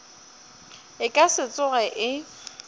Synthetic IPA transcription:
ɪkʼasɪt͡sʼʊɣɛʔɪ

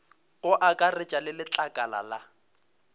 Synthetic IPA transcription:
ɣʊʔakʼarɪt͡ʃʼalɪlɪt͡ɬʼakʼala̰la

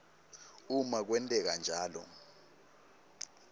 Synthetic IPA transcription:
umak̬wɛntʼɛk̬and͡ʒʱaːlɔ̰

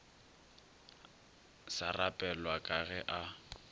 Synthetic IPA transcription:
sarapʼɛlwakʼaɣɛʔa

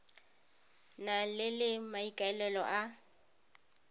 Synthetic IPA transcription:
nalɪlɪmaikʼaɛlɛlɔʔa

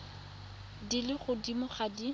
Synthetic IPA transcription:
dilɪχʊdimʊχadi

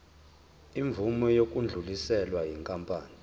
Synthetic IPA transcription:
iɱvumɔjok̬ʼund͡ɮʱulisɛlwajiŋkʼampʼaːni

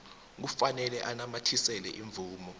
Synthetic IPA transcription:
k̬ufanɛlɛʔanamatʰisɛlɛ̰ʔiɱb̪vʱuːmɔ

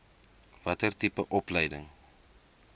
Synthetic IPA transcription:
vɐtərtipəʔɔpləjdəŋ

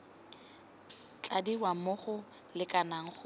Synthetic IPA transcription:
t͡ɬʼadiwamʊχʊ | lɪkʼanaŋ̩χʊ

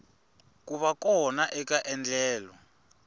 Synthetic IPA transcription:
k̬ʼuβakʼɔnaʔɛkaʔɛnd͡ɮɛːlɔ

